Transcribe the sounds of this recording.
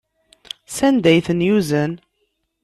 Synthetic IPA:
sænd̪æjθənjuzən

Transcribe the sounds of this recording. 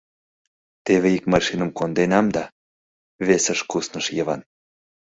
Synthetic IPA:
t̪eβeikmɑʃinə̆mkond̪enɑmd̪ɑ | βesəʃkusnəʃjəβɑ̰n

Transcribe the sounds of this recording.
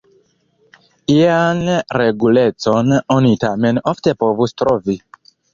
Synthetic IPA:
ianɾeɡulet͡sononitamenoftepovustɾovi

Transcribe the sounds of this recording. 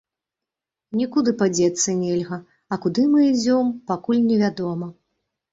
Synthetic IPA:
nʲikud̪ɨpad͡zʲɛt̪sːɐnʲelʲɣɐ | ɐkud̪ɨmɨid͡zʲɔmpakulʲnʲɛvʲad̪ɔmɐ

